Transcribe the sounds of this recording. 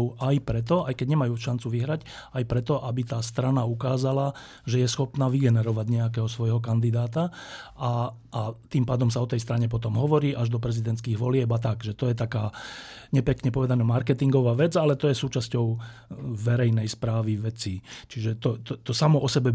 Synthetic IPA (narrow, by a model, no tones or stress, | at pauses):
ajpɾɛt̪̬ɔajkɛɟɲɛmajuːʃant͡suʋiɦɾacajpɾɛt̪ɔʔabit̪aːst̪ɾanaukaːzala | ʒɛjɛsxɔpnaːʋiɡɛnɛɾɔʋaɟɲɛak̬ɛːɦɔsʋɔjɦɔkand̪id̪aːt̪aa | ʔːt̪iːmpaːd̪ɔmsaɔt̪ɛjst̪ɾaɲɛp̬ɔt̪ɔmɦɔʋɔɾiːʔaʒd̪ɔpɾɛzid̪ɛnt̪skiːɣʋɔlɪɛbat̪aɡʒɛt̪ɔjɛt̪akaːɲɛpɛkɲɛpɔʋɛd̪anaːmaɾkɛt̪iŋɡɔʋaːʋɛd͡zalɛt̪ɔjɛsuːt͡ʃascɔʊ | ʋɛɾɛjnɛjspɾaːʋiʋɛt͡sit͡ʃiʒɛt̪ɔt̪ɔt̪ɔsamɔʔɔsɛbɛ